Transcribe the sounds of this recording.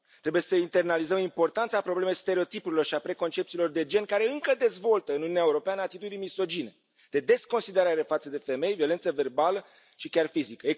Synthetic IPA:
t̪ɾe̞buje̞səint̪e̞rnalizəmimpo̞rt̪ant̪səapɾo̞ble̞me̞jst̪e̞ɾeo̞t̪ipuɾiloʃiapɾe̞ko̞nt͡ʃe̞p̚t̪silo̞rd̪e̞d͡ʒe̞nkaɾe̞ɨŋkəd̪e̞zvo̞lt̪əɨnununʲaeuɾo̞peanəat̪it̪ud̪ijmiso̞d͡ʒine̞ | d̪̥e̞d̪e̞sko̞nsid̪e̞ɾaɾe̞fat̪səd̪e̞fe̞me̞jvio̞lent̪səve̞rbalə | ʃikʲarfizikəe

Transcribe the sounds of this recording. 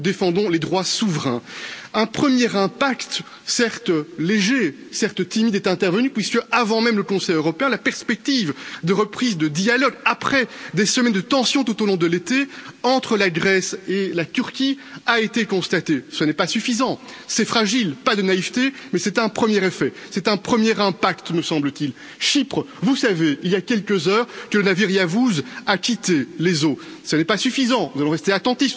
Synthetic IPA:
d̪efɑ̃d̪ɔ̃led̪ʁwasuvʁɛ̃ɛ̃pχəmjɛʁɛ̃pakt̪ | sɛʁt̪leʒe | sɛʁt̪t̪imid̪ɛt̪ɛ̃t̪ɛʁvənypɥiskəavɑ̃mɛmləkɔ̃sɛjøʁɔpeɛ̃lapɛʁspɛk̚t̪ivd̪əʁəpχizd̪əd̪ialɔɡapχɛd̪esəmɛnd̪ət̪ɑ̃sjɔ̃t̪ut̪olɔ̃d̪əlet̪eɑ̃t̪χəlaɡʁɛselat̪yʁkʲiaet̪ekɔ̃st̪at̪esənɛpasyfizɑ̃sɛfχaʒilpad̪ənaivt̪emɛsɛt̪ɛ̃pχəmjɛʁefɛsɛt̪ɛ̃pχəmjɛʁɛ̃pakt̪məsɑ̃blət̪il | ʃipχə | vusaveiljakʲɛlkʲəzœːʁkələnaviʁjavuzakʲit̪elezosənɛpasyfizɑ̃nuzalɔ̃ʁɛst̪eat̪ɑ̃t̪if

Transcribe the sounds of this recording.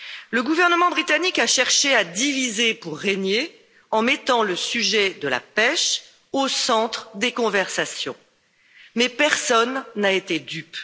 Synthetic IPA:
ləɡuvɛʁnəmɑ̃bʁit̪anikaʃɛʁʃead̪ivizepuʁːeɲe | ɑ̃mɛt̪ɑ̃ləsyʒɛd̪əla̰pɛʃ | osɑ̃t̪χd̪ekɔ̃vɛʁsasjɔ̰̃ | mɛpɛʁsɔnːaet̪ed̪yp

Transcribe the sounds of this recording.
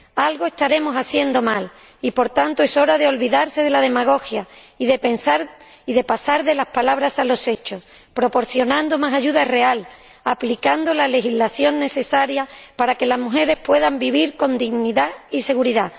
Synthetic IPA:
alɣoe̞st̪aɾe̞mo̞saθje̞nd̪o̞mal | ipo̞ɾt̪ant̪oe̞so̞ɾaðe̞o̞lβiðaɾse̞ðe̞lað̞e̞maɣ̞o̞xjaiðe̞pe̞nsaɾ | iðe̞pasaɾðe̞laspalaβ̞ɾasalo̞se̞t͡ʃo̞s | pɾo̞po̞ɾθjo̞nãnd̪omasaʝuðare̞al | aplikand̪olale̞xizlaθjo̞nːe̞se̞saɾjapaɾake̞lazmuxe̞ɾe̞spwe̞ðambiβiɾko̞nd̪iɣniðaise̞ɣ̞uɾiða

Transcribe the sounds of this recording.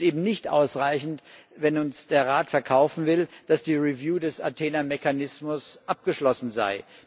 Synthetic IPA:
ʔeːbm̩nɪçtʔa̰ʊsʁaɪçn̩tvɛnʊnsd̥eːɐʁaːtfɛɐkʰaʊfn̩vɪld̥asd̥iːʁivjuːdɛsa̰tʰeːnameçanɪsmʊsʔap̚ɡ̥əʃlɔsn̩za̰ɪ

